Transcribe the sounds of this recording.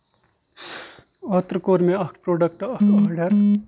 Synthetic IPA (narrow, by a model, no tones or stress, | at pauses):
ɔːt̪ɾəkoːɾmẽɐkʰpɾoːɖək̚ʈɐkʰaːɾɖəɾ